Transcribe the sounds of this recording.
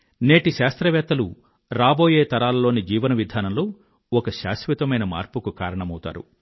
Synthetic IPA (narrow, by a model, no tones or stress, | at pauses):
ne̞ːʈiʃaːst̪ɾɐʋɛːt̪ːɐlṵ | ɾaːbo̞ːje̞ːt̪ɐɾaːlɐlːo̞ːnid͡ʒiːʋɐnɐʋid̪ʱaːnɐmloː | ɔkɐʃa̰ːsʋit̪ɐmɐjnɐma̰ːɾpukukaːɾɐɳɐmɐwt̪a̰ːɾṵ